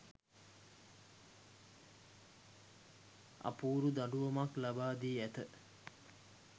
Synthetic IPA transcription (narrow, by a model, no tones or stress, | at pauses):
ʔa̰puːɾud̪aɖuʋɐmaklabaːd̪iːæt̪ə